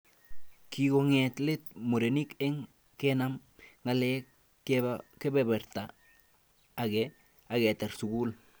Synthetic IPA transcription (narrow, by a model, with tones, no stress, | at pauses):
ki˨ɡoŋetle˦t̚mo˨ɾeni˦ke˦ŋ | kenam | ŋale | ke˦bebe˨ɾta˨ | ɡe | a˨ɡe˨te˨ɾsu˨ɡul